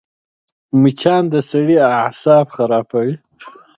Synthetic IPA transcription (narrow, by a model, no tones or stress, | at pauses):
mit͡ʃʰɑnd̪əsaɽiahsɑːbxaɾɑːpawi